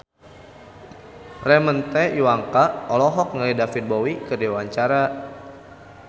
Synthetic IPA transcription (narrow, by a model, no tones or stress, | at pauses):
rɛmənt̪ɛjuwaŋkaɔlɔɦɔk̚ŋəlidafit̪̚bɔwikədewaɲt͡ʃaɾa